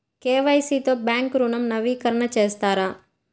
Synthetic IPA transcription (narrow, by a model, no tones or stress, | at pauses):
keːʋɐjsiːt̪oːbjaːŋkɾunɐmnɐʋiːkɐɾɐɳɐt͡ʃeːst̪aːɾaː